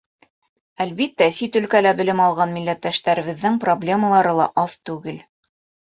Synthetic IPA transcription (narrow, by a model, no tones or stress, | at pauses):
ælβit̪ːæsit̪ɵ̆lkælæbɘ̆lɘmɑlˠʁɑnmilːæt̪ːæʃt̪æɾɘ̆βɘ̆ðːɘŋproblʲe̞məlˠɑɾɤlˠɑʔɑðt̪ʉɡɘl